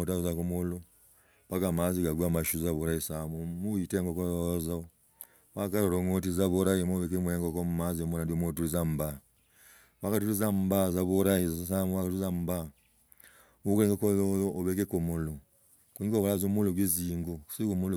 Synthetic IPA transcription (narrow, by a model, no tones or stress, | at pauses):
otazakomolo | paɡamaziɡaɡwamaʃuzaβoɾaisamumuiteŋɡokoza | wakaɾoɾoŋot̬izaβoɾajimoβekemweeŋɡokomumaziomonandiomot̬uɾizamba | wakat̬uɾizambazaβoɾaizsamuwakaizamba | mukeŋɡokoːβekekomolo | kuɲoβolazomuloɡwiziŋɡosikomul